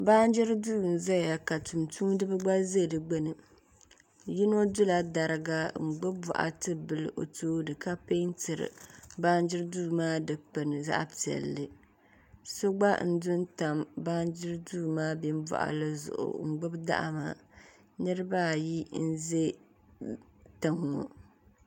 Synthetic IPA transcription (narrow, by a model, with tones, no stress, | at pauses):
ba˦n˦d͡ʒɪ˦ɾduː˦˨n̩˨za˦ja˨ka˨tu˨mtu˦dɨ˦bɨ˦ɡ͡ba˦ze˦˨dɨ˨ɡ͡bɛ˦nɨ˨ | ji˦no˦dʊ˦la˨da˨ɾɨ˦ɡa˦ŋ͡m̩˨ɡ͡bɨ˦b̚bɔ̰˨ʔa̰˨tɨ˦bɨ˦˨lɨ˨ʔo̰˨toː˦nɨ˨ka˦pe˦n˦tɨ˨ɾɨ̰˨ba˦n˦d͡ʒɪ˦ɾduː˦˨maː˦dɨ˨k͡pɛ˨nɨ˨za̰˦ʔpi˨ɛ̰˨lːɨ˨ | so˦ɡ͡ba˦n̩˦dʊ˦nta˨mba˦nd͡ʒɪ˦ɾduː˦˨maː˦bi˦mbɔ̰˦ʔa̰˨lɨ˦zʊ̰˨ʔʊ̰˨ŋ͡m̩˨ɡ͡bɨ˦bda̰˦ʔa̰˨ma̰˦˨ | nɨ˦ɾɨ˦ba˦˨ji˦n̩˦ze˦ | ta˨ŋːo̰˨